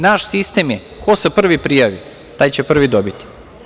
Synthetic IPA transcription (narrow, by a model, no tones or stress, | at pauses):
naʃsist̪e̞mje | kosepr̩ʋipɾijaʋi | t̪aːjt͡ɕepr̩ʋid̪obit̪i̥